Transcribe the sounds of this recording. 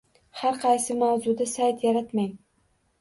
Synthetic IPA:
haɾqʰɑjsɪmawzʊd̪asajt̪ʰjaɾat̪maj

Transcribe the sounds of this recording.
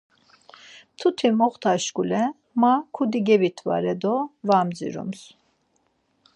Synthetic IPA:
t̪ʰut̪ʰimɔχt̪ʰaʃkulɛ | makʰud̪iɡɛbit̪ʰva̰ɾɛd̪ɔvamd͡zḭɾṵms

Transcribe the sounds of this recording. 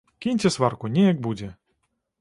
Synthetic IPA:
kʲinʲt͡sʲɛsvarkunʲɛjɐk̚bud͡zʲɛ

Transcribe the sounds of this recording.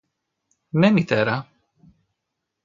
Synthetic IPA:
nɛmit̪ɛɾa

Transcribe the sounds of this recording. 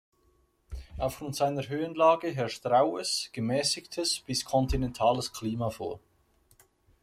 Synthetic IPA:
ʔaʊfɡ̥ʁʊntz̥aɪnəɾɦøːənlaːɡəɦɛɐʃtʁaʊəsɡ̥əmɛːsɪçtʰəsb̥ɪskʰɔntinɛntʰaːləskʰliːmafo̰ːɐ

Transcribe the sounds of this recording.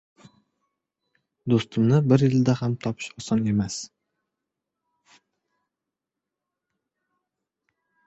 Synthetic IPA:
d̪ost̪ɪmnɪbɪɾjɪld̪ahamt̪ʰɒpʰɪ̥ʃɒsɒne̞mas

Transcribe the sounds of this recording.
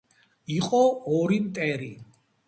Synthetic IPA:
iqʼɔɔɾimt̪ʼɛɾi

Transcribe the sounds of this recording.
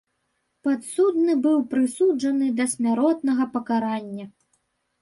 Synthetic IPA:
pat̪sud̪nɨbɨwpɾɨsud͡ʐɐnɨd̪ɐsʲmʲaɾɔt̪̚nɐɣɐpɐkaɾanʲːɐ

